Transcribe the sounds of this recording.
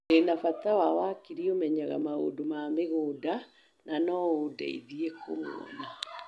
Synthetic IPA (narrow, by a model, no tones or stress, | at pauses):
enafatawawakiɾiomɛɲaɣa̰mao̰domameɣoːda | nanɔodḛḭðiekʰo̰mo̰ɔ̰na